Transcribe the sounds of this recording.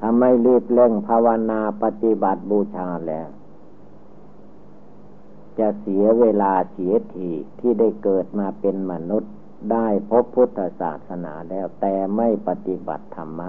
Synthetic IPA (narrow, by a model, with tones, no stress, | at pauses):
t̪ʰa˧mːa˧˥˨jlɯː˧˥˩p̪̚le˧˨ŋpʰa˧wa˧naː˧pa˧t̪i˧˥ba˨˦t̪̚buː˧˩t͡ɕʰaː˧lɛː˧˩w | t͡ɕa˧si˨˦ɐweː˧laː˧si˨˦ɐ˦t̪ʰiː˧˩t̪ʰiː˧˩˨da˥˩jkɤː˨˩t̪̚maː˧pe˧nma˧nu˧˥˩t̪̚ | daː˥˩jpʰo˧˦˥pʰːu˧˥t̪ʰːa˧sa̰ː˨˩t̪̚sa˧na̰ː˨˩˦lɛː˧˩wt̪ɛː˨˧ma˥˩jpa˧t̪i˧ba̰˨˩t̪ʰːa˧mːaː˧